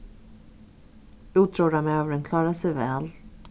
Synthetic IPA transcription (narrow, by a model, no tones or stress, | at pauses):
ʉːt̪ʰɾuːɾamøːvəɾənkʰlɑːɾasɛjvɛːl